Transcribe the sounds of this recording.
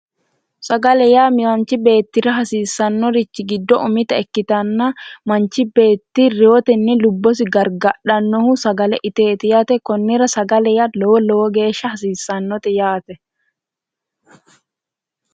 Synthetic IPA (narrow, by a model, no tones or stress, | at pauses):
sɐɡɐlɛjaːmɪwɐnt͡ʃɪbe̞ːt̪ːɪɾɐɦɐsiːsɐnːɔɾɪt͡ʃːɪɡɪd̪ːɔʔʊmɪt̪ɐɛkːɪt̪ɐnːamɐnt͡ʃɪbe̞ːt̪ːirɪɔt̪ɛnːɛlʊbːɔs̬ɪɡɐɾɡɐɗɐnːɔhʊsɐɡɐlɛʔɪt̪e̞ːt̪ɛjat̪ɛkɔnːɪɾɐsɐɡɐlɛjalɔwɔlɔwɔɡe̞ːʃɐhɐsiːsːɐnːɔt̪ɛjaːt̪ɛ